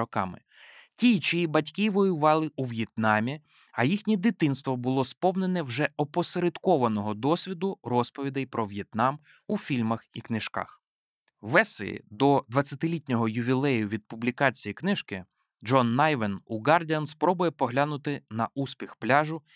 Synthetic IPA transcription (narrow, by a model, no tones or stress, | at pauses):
ɔkɑ̰mɪ̰ | tʲit͡ʃijibɐtʲkɪʋɔjʊʋɑlˠɪuʋjet̪̚nɑmʲi | ɐjixʲnʲid̪ɪt̪ɪnst̪ʋɔbʊlˠɔspɔmnenɛwʒɛɔpɔseɾɪd̪kɔʋɐnɔɦɔd̪ɔsʲʋʲid̪ʊrɔspɔʋʲid̪ɛjpɾʔɔʋjet̪nɑm | ufʲilʲmɐxiknɪʃkɑ̰x | ʋɛsɪ̰d̪ɔd̪ʋɐt͡sʲɐt̪ɪlʲitʲnʲɔɦɔjʊʋʲilˠɛjʊʋʲid̪̚publʲikɑt͡sʲijiknɪʃkɪ | d͡ʒɔnːɑjʋenuɡɑrdʲiɐnspɾɔbʊjɛpɔɦlʲanʊt̪ɪnɐusʲpʲixplʲɑʒʊ